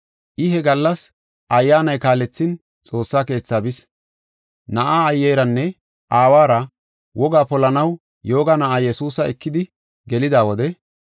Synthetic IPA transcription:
ʔɪɦɛɡɐlːɐs | ʔɐjːaːnɐjkaːlɛt͡sːɪn | t͡sʼo̞ːsːaːke̞ːt͡sːaːbɪs | nɐʔaːjːejɾɐnːɛ | ʔaːwaːɾɐ | wɔɡaːpɔlɐnɐw | jo̞ːɡanɐʔaːjɛsuːsɐɛkːɪd̪ɪ | ɡɛlɪd̪aːwɔd̪ɛ

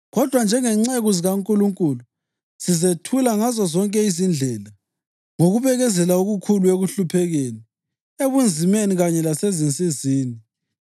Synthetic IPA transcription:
ɣɔd̥ʱwand͡ʒʱɛŋɛŋ͡ǀeɣuziɣaŋkʼuluŋkʼuːlu | sizetʰulaŋazɔzɔŋkʼɛizind͡ɮʱɛla | ŋoɣuβɛɣɛzɛlauɣukʰulueɣuɬupʰɛɣeːni | eβund͡zʱimeniɣaɲɛlasezint͡sʼiziːni

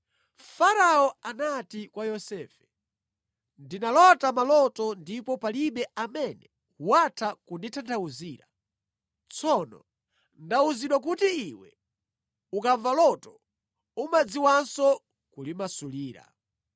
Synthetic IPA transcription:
faɾaɔanatikwajɔsɛːfɛ̥ | ndinalɔtamalɔtɔndipɔpaliɓɛamɛnɛ | uwatʰakunditʰantʰauziːɾa | t͡sʰɔnɔ̰ | ndauziɗwak̬utiiwɛ̰ | ukaɱvalɔtɔ | umad͡ziwansɔ | kulimasuliːɾa̰

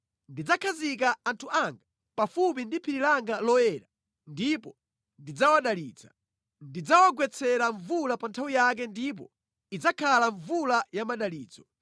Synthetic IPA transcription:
ndid͡zakʰazikaantʰuʔaŋɡa | pafup̬indipʰiɾilaŋɡalɔɛɾa | ndipɔ | ndid͡zawaɗalḭːd͡za̰ | ndid͡zawaɡwɛt͡sʰɛɾaɱvulapantʰawijak̬ɛndip̬ɔ̰ | id͡zakʰalaɱvulajamaɗaliːd͡zɔ

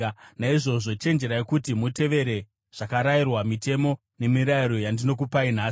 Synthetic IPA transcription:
naiʐo̞ʐo̞t͡ʃe̞nd͡ʒe̞ɾajekutimute̞ʋe̞ɾe̞ | ʐ̥akaɾairwamite̞mo̞ | ne̞miɾaiɾo̞jandino̞k̬upainaː

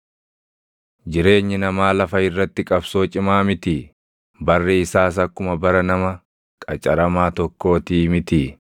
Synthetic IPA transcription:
d͡ʒɪɾe̞ːɲːɪnɐmaːlɐfɐɪrːɐt̪ːɪkʼɐbso̞ːt͡ʃʼɪmaːmɪt̪i | bɐrːɛɪsaːs̬ɐkːʊmɐbɐɾɐnɐmɐ | kʼɐt͡ʃʼɐɾɐmaːt̪ɔkːo̞ːt̪iːmɪt̪i

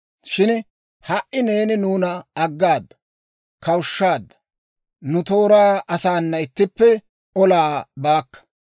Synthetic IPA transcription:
ʃɪn | hɐʔɪne̞ːnɪnuːnɐɐɡːaːd̪ːɐ̥ | kɐwʃːaːd̪ːɐ̥ | nʊt̪o̞ːɾaːʔɐsaːnːɐɪt̪ːɪpːɛ | ɔlaːbaːkːɐ̥

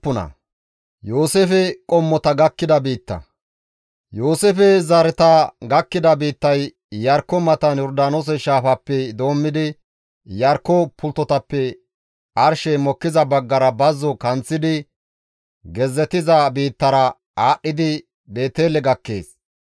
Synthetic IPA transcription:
ʊnɐ̰ | joːsefɛkʼɔmːɔt̪ɐɡɐkːɪd̪ɐbiːt̪ːɐ̰ | joːsefɛzɐɾɛt̪ɐɡɐkːɪd̪ɐbiːt̪ːɐj | jɐɾkːɔmɐt̪ɐnjɔɾd̪aːnos̬ɔʃaːfɐpːɛd̪o̞ːmːɪd̪ɪ | jɐɾkːɔpʰʊlt̪ːɔt̪ɐpːɛ | ʔɐɾʃɛmɔkːɪzɐbɐɡːɐɾɐbɐzːɔkɐnt͡sːɪd̪ɪ | ɡɛzːɛt̪ɪzɐbiːt̪ːɐɾɐ | aːɗːɪd̪ɪ | be̞ːt̪eːlɛɡɐkːe̞̰ːs

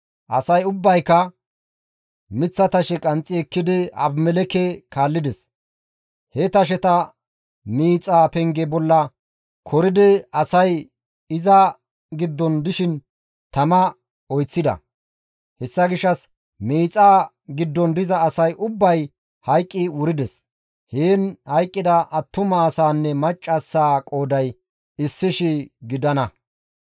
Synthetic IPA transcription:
ʔɐ̰sɐjʊbːɐjkːɐ | mɪt͡sːɐt̪ɐʃɛkʼɐnt͡sʼːɪɛkːɪd̪ɪɐ̰bmɛlɛkɛkaːlːɪd̪ɛs | hɛt̪ɐʃ̬ɛt̪ɐ | miːt͡sʼaːpɛŋɡɛbɔlːɐ | kʰɔɾɪd̪ɪɐsɐj | ɪzɐ | ɡɪd̪ːɔnd̪ɪʃɪn | t̪ɐmɐ | ɔjt͡sːɪd̪ɐ̰ | hɛsːɐɡɪʃːɐs | miːt͡sʼaː | ɡɪd̪ːɔnd̪ɪzɐːsɐjʔʊbːɐj | hɐjkʼːɪwʊɾɪd̪ɛs | heːnhɐjkʼːɪd̪ɐʔɐt̪ːʊmasaːnːɛmɐt͡ʃʼːɐsːaːkʼoːd̪ɐj | ɪsːɪʃɪɡɪd̪ɐnɐ

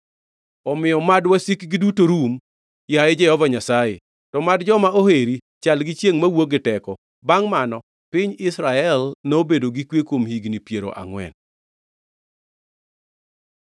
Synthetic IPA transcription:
ɔmɪjɔmadwasikɡidutoɾum | jaɛd͡ʒɛhɔvaɲasaje | tɔmadd͡ʒɔmaoheɾi | t͡ʃalɡɪt͡ʃjeŋmawoɡɪtɛkɔ | baŋmanɔ | pɪɲɪsɾaɛlnobedoɡikwekwomhiɡnipjeɾo̰ʔa̰ŋwɛ̰n

